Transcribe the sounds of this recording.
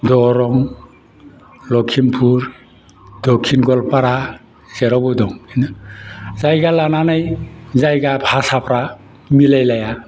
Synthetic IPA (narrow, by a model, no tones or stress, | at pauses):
dɔɾɔŋ | lɔkʰinpʰuɾ | dɔkʰːinɡɔlpaɾa | z̥ɛɾɔbɔdɔŋin | zajɡalananajzajɡabʱasapʰɾa | milajlaja